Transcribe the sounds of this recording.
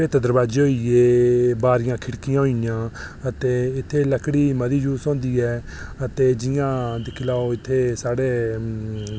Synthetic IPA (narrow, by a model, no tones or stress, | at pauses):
eːt̪əd̪əɾbaːd͡ʒeːoːieːbaːɾɪjãːkʰɪɽkɪjãːɦoːijãː | ət̪eːɪt̪ʰːeːləkʰɽiːməd̪iːd͡ʒuːsõːnd̪iːɛː | ət̪eːd͡ʒɪjãːd̪ɪkʰɪlaːoːɪt̪ʰːeːsaːɽeː